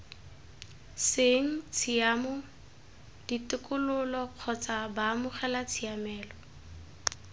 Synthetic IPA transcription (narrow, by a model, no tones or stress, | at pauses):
seŋ̩t͡sʰiamɔ | d̥itʊkʼʊlʊlɔq͡χʰɔt͡sʼabamʊχɛlat͡sʰiamɛːlɔ